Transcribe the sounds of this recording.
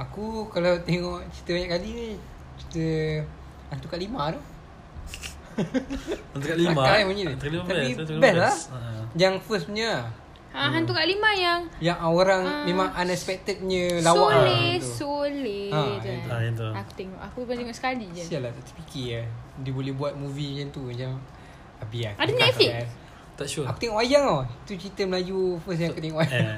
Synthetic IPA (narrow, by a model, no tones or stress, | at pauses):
akukalawt̪eŋɔʔt͡ʃit̪əbaɲaʔkali | t͡ʃi̥t̪ə | hant̪ukaʔlimadɔ | nt̪ukaʔliaamuɲid̪ukalit̪apibɛlad͡ʒaŋfəspəɲə | aɦant̪ukaʔlimajaŋjaŋoɾaŋmẽmãŋanɛspɛk̚t̪ət̪̚ɲə̃lawaalet̪ussoleã | t̪uaku̥t̪eŋɔʔakubət̪eŋɔʔsə̥kalid͡ʒəsialat̪aʔt̪u̥pikiadibolɛhbuat̪̚muviɲənt̪uɛd͡ʒaŋ | abiaadunakian | t̪aʃuakut̪eŋɔʔajaŋoit̪ut͡ʃit̪əmlajufəs̬jaŋaakut̪eŋɔʔaja